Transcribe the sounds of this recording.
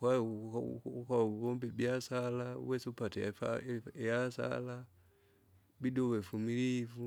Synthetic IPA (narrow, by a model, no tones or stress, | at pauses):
kwa | kaɡɔmbɛbiasalaṵwɛsiupatɛfa̰jasa̰la | bidɔwɛfumilivu